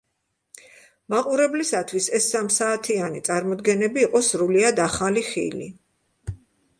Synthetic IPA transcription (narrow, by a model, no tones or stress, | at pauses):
maqʼuɾɛblisat̪ʰwisɛsːamsaːt̪ʰianit̪sʼaɾmɔd̪ɡɛnɛbiːqʼɔsɾuliad̪aχaliχḭlḭ